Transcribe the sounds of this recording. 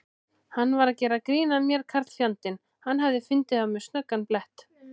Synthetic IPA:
hanːvaɾacɛːɾakɾiːnamjɛɾ̥kʰaɾt̪fjawnt̪ɪn | hanːɦavðɪfɪnt̪ɪθawmɛɾ̥st̪nœkːanplɛht̪

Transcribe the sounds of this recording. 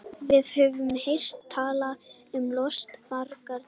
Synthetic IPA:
vɪðhœvʏmhejr̥t̪ʰːaːla | ʏmlɔst̪maɾkaɾ

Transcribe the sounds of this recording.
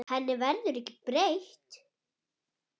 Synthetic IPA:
hɛnːɪvɛnt̪ʏɾɛhcɪpɾejht̪

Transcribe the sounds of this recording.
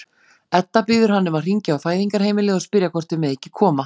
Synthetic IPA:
ɛt̪ːapɪðʏɾ̥ɦanːʏmaðr̥iɲcaawfaːjðiŋkaɾ̥heːjmɪlɪːɣɔspɪɾjakʰɔr̥t̪ɪmɛðɛhcːɪkʰɔːma

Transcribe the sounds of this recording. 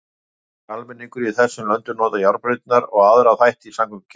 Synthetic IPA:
almɛnːiŋkʏɾiθɛsːʏmlœnt̪ʏɾnɔːt̪ajawɾpɾɪt̪naɾɔɣaðɾaθajht̪isaŋkʏmc

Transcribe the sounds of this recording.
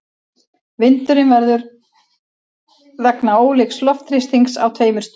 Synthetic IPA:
vɪnt̪ʏɾɪnvɛɾðʏɾ | ðɛknaoːwlejkslɔft̪ɾɪst̪iŋksa̰wt̪ʰveːjmʏɾ̥st̪

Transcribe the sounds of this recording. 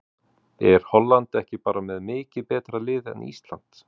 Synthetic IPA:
ɛɾ̥hɔlːant̪ɛhcɪpaːɾamɛðmɪːcɪðpɛːt̪ɾalɪːðɛ̰nḭst̪la̰n̥t̪

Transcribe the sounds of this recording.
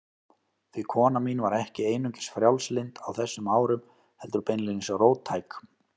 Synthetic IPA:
θvɪkʰɔːnamiːnvaɾɛhcɪeːjnʏɲcɪ̥sfɾjawlslɪnt̪awθɛsːʏmaːwɾʏm | hɛlt̪ʏɾpejnlɪnɪsaroːwt̪ʰːajk

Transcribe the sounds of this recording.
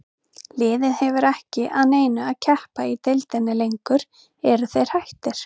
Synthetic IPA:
lɪːðɪðhɛvʏɾɛhcɪʔaðneːjnʏaðcʰɛhpait̪ejlt̪ɛnːɪlejŋkʏɾ̥ | ɛɾʏθejɾ̥hajht̪ɪɾ̥

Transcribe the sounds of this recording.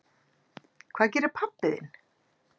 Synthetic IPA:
kʰvaːðc̬ɛːɾɪɾ̥pʰapːɪðɪ̰n

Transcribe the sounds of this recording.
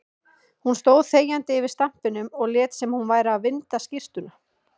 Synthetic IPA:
hunst̪oːwðθeːjant̪ɪɪvɪɾ̥st̪am̥pɪnʏmɔɣlɛːt̪sɛmhunvaːjɾɪaðvɪnt̪ascɪr̥t̪ʏna

